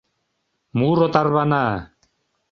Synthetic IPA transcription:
muɾot̪arβana

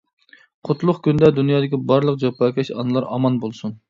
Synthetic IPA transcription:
qʰʊt̪ʰlˠʊχkʲynd̪ɛd̪unjɑːd̪ɪkʲibɑɾlˠəq̚d͡ʒɑpɑːkʲʰɛʃɑ̰nɨlˠɑɾɑ̰mɑnbolˠsun

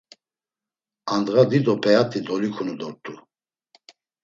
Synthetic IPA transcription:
and̪ɣad̪id̪ɔpʼɛat̪ʰʼid̪ɔlikʰunud̪ɔɾt̪ʼu

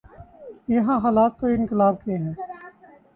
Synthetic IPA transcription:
jəɦãːɦaːlaːt̪ːoɪnkɪlaːb̚keɦɛ̃ː

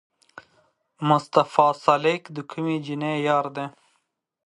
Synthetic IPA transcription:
mʊst̪afɑːsalekd̪əkʰumed͡ʒinejɑːɾd̪e

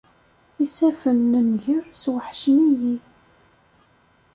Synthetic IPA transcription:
isæfənːənʝəɾswəħʃniji

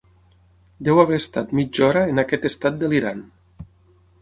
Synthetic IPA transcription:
d̪ɛwaβɛːst̪at̪mid͡ʒɔɾaenakɛt̪est̪at̪̚d̪əliɾan

